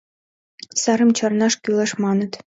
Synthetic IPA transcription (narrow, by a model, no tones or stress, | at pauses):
sɑɾɤ̆mt͡ɕɑrnɑʂkʲylˠɑʂmɑnɤ̆t̪